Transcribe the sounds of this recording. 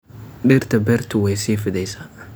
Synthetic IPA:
ɗɪɾt̪ʰɐbɛrt̪ʰʊwɛjsiːfɪðɛjsaː

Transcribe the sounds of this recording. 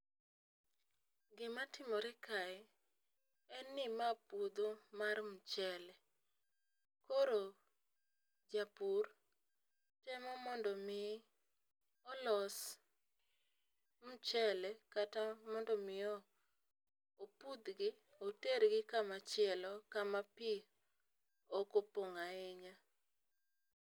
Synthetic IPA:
ɡɪmatɪmɔɾɛkaɛ | ɛnɪmapud̪omarm̩t͡ʃɛlɛ | koɾo | d͡ʒapur | tɛmɔmɔndɔmɪ | ɔlɔs | m̩t͡ʃɛlɛkatamɔndɔmɪɔ | opud̪ɡɪ | oteɾɡɪkamat͡ʃɪɛlɔkamapi | okopoŋaɪɲa

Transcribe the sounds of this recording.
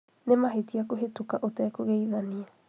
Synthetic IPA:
nemaɦetiakoɦetokaʔotɛːkoɣeiðaniɛ

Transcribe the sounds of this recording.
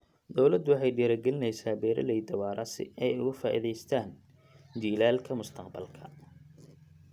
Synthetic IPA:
d̪ɔwlɐd̪ʊwɑħɑjɖiːɾɐɡɛlɪnɛjsaːbɛːɾɐ̰lɛjd̪ɐwɑːɾʔɐsɪ̰ɛjʊɣʊfaːʔḭðɛjst̪ʰaːn | d̪iːlaːlkʰɐmʊst̪ʰɐqbɐlkʰɐ̥

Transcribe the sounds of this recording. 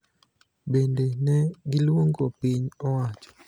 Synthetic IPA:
bendenɛɡilwoŋɡopiɲɔwat͡ʃɔ̥

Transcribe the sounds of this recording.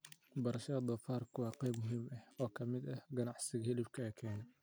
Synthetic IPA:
bɐɾɐʃɐɐd̪ɐfaːrkʰʊwɑːqɛjbmʊɦiːmɐhɔːkʰɐmɪd̪ɐhɡɐnɑʕsɪɣɐhɪlɪbkʰɐɛkʰɛːnɛ

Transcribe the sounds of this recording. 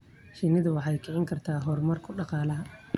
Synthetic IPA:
ʃɪnɪðʊwɑħɑjkʰɪʕɪŋkʰɐrt̪ʰaːɦɔrmɐrkʰʊɖɑqɑːlɐɦɐ

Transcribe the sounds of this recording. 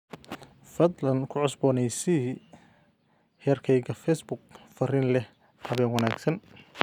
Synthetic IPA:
fɐd̪lɐnkʰʊʕʊsbɔːnɛjsi | hɛːrkʰɛjɡɐfɛjsbʊɡ̚fɐrɪnlɛh | hɐβɛːnwɐnaːɡsɐn

